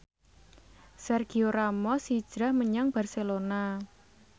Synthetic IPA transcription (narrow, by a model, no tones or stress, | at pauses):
sɛrɡ̥ioɾamɔsid̥ʒ̥ɾahməɲaŋb̥a̤rselona